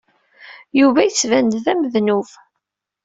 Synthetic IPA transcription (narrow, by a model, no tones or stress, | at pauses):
juvæjət͡sːvænd̪ðæməðnuv